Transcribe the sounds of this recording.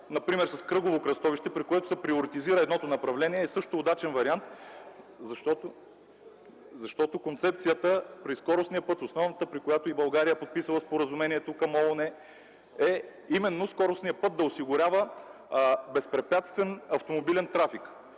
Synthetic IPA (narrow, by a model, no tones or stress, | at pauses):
nɐpɾimɛɾsɐskɾɤɡovokɾɐst̪ɔviʃt̪ɛpɾikoɛt̪ʊ̥sɛpɾioɾit̪iziɾəɛd̪nɔt̪onɐpɾɐvlɛniɛːsɤʃt̪oːd̪at͡ʃɛnvɐɾiant̪ | zɐʃt̪ɔt̪o | zɐʃt̪ɔt̪okont̪sɛp̚t̪sijət̪əpɾiskɔɾosnijəpɤt̪osnɔvnət̪əpɾikojat̪oibɐlˠɡaɾijəpot̪̚pisəlˠəspoɾəzumɛniɛt̪okɐmonɛ | ɛ | imɛnːoskɔɾʊsnijəpɤt̪̚d̪ɐosiɡʊɾʲavə | bɛspɾɛpʲjat̪st̪vɛnɐft̪omobilɛnt̪ɾafik